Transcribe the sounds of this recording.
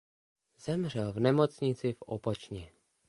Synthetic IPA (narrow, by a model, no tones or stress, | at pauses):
z̥ɛmr̝ɛlvnɛmot͡sɲɪt͡sɪfo̰pot͡ʃɲɛ